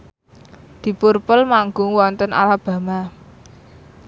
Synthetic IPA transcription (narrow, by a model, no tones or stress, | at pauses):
d̪̥i̤purpʊlmaŋɡʊŋwɔnt̪əna̰lab̥a̤ma